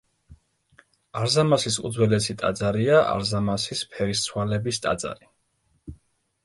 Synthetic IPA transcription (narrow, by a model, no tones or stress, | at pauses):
aɾzamasisud̪zwɛlɛsʰit̪ʼa̰d̪zaɾiaʔa̰ɾzamasispʰɛɾist̪sʰwalɛbist̪ʼa̰d̪z̥a̰ɾi